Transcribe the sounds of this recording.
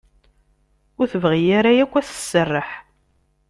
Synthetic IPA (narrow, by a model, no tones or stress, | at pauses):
ʊɾθəvʁijaɾajækʷːæθə̥sːərˤːəħ